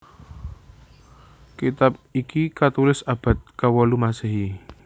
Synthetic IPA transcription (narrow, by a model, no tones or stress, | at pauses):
kit̪ap̚ikikat̪ulɪsab̥a̤t̪̚kawɔlumasiɦi